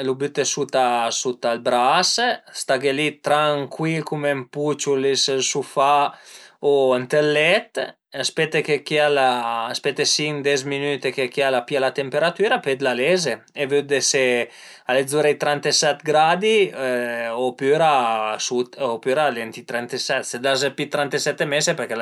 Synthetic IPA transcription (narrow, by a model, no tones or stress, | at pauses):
lubyt̪esut̪asut̪albɾasst̪aɡelit̪ɾaŋkʰwilkumemput͡ʃulessufa | oant̪elːɛt̪ | aspɛt̪ekekialaːspet̪ːesiŋd̪ɛzminyt̪ekekialapialat̪empeɾat̪yːɾaped̪lalezeevød̪ese | aledd͡zuɾejt̪ɾant̪esɛt̪ɡɾad̪i | opyɾasut̪opyɾalɛnt̪it̪ɾɛnt̪esɛt̪sed̪azepit̪ɾant̪esɛt̪ːemesepeɾke